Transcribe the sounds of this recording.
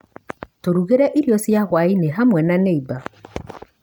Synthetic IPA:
toɾuɣeɾɛʔiɾjɔsjaɣwaineɦamwɛnaneiba

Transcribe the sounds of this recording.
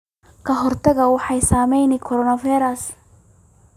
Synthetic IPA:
kʰɐɦɔrt̪ʰɐɣɐwɑħɑjsaːmɛjnɪkʰɔɾɔnɐvajɾɐs

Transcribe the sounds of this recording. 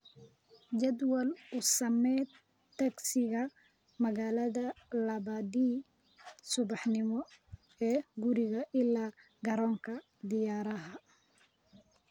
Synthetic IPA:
d͡ʒɛd̪wɐlʊsɐmɛː | t̪ʰːɐksɪɣɐ | mɐɣaːlɐðɐlɐβɐd̪iː | sʊβɑħnɪmɔ | ɛːɡʊɾɪɣɐʔɪlaː | ɡɐɾɔːŋkʰɐ | d̪ɪjaːɾɐɦɐ

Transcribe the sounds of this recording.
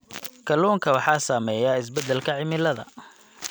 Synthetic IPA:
kʰɐluːŋkʰɐwɑħɑːsaːmɛːjaːɪs̬bɛd̪ɛlkʰɐʕɪmɪlɐðɐ̰

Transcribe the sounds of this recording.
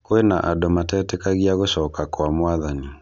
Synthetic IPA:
koenaʔadomatɛːtɛkaɣiaɣoʃɔkakwamoaðani

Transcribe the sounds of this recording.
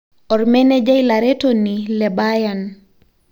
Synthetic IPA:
ɔɾmɛnɛd͡ʒajlaɾɛtɔnilɛbajan

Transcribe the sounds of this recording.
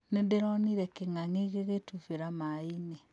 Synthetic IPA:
nendeɾɔniɾɛkeŋaŋeɣeɣetufeɾamaine

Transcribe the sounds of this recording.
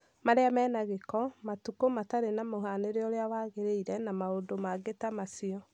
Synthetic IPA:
maɾeamɛːnaɣekɔmatukomataɾenamoɦaneɾeɔɾeawaːɣeɾeiɾɛnamaodomaɡetamasiɔ

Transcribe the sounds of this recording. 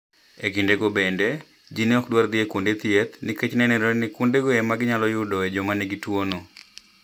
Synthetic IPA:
ekindeɡobende | d͡ʒineɔkdward̪ɪekwondet̪iet̪niket͡ʃnɛnɛɾɔnɪkwondeɡoɛmaɡɪɲalɔjʊdɔɛd͡ʒɔmaneɡitwono

